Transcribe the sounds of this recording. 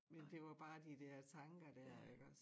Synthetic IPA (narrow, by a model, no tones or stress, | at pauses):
mend̥e̝ʋɑ̈b̥ɑ̈ːd̥id̥ɛɐ̰t͡sʰɑ̈ŋɡ̥ɐd̥æɐ̰eɡ̥ɒs